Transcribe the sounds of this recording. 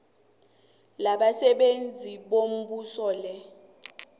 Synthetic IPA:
laɓasɛɓend͡zʱiɓom̩ɓusɔːlɛ

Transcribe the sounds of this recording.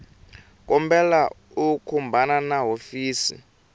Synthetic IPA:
k̬ʼɔmbɛla | ukʰumbʱananaɦofiːsḭ

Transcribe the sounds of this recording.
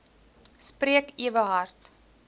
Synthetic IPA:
spriəkiəvəɦɐrt

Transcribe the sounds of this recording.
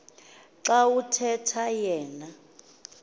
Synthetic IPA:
ǁawutʰɛtʰajɛːna

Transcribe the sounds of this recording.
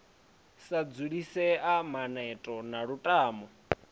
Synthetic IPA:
sad͡zuɺisɛamanɛtʼɔnaɺutʼaːmɔ

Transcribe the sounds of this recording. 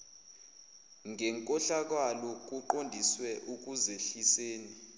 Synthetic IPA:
ŋɛŋkʼɔɬak̬walɔk̬uǃondʱiswɛʔuk̬uzeɬiseːni

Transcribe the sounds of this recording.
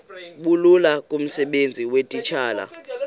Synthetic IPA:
ɓululakʼum̩sɛɓend͡zʱiwetʼit͡ʃʰaːla̰

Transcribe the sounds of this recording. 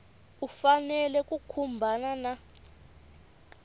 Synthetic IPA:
ufanɛlɛk̬ʼukʰumbʱanana

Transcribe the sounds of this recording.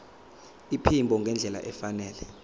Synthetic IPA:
ipʰimbʱɔŋɡʱɛnd͡ɮʱɛla̰ʔɛfanɛːlɛ

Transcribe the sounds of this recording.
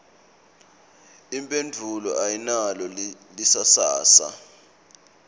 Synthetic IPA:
impʼendʱulɔʔajinalɔ | lisasa̰ːsa̰

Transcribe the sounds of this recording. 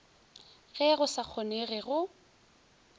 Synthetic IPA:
ɣɛɣʊsak͡xʰɔneɣɪɣʊ

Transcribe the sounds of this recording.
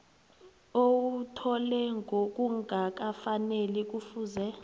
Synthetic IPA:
owutʰɔlɛŋɡʱok̬ʼuŋɡʱak̬afanelik̬ufuːzɛ

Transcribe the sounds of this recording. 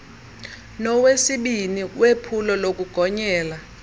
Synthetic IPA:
nɔwesiɓiniwepʰulɔlok̬uɡ̥ʱɔɲɛːla

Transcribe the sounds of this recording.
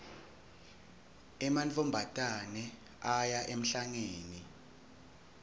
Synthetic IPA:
ɛmant͡fʰʼɔmbʱatʼanɛ | ajaʔem̩ɬaŋeːni

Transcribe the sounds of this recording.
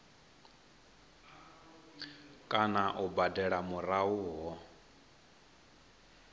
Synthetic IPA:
kʼanaʔubadɛɺamuɾauɦɔ

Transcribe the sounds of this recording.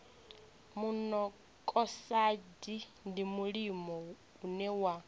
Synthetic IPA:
munɔ | kʼɔsadindimuɺimɔ | unɛwa

